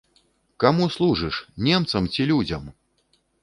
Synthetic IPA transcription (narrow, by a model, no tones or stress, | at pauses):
kamuslˠuʐɨʂnʲɛmt̪sɐmt͡sʲilʲud͡zʲɐm